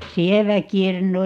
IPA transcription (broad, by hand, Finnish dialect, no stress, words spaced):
sieʋæ kirnu